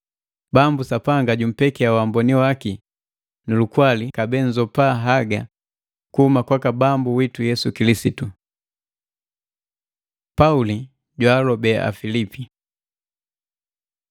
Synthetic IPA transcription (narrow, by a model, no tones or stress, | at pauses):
bambusapaŋɡaɟum̩pɛkɛawambɔniwaki | nilukwalikabɛnzɔpaɦaɡa | kuhumakwakabambuwitujɛsukilisitu | pauli | ɟwalɔbɛa̰filipi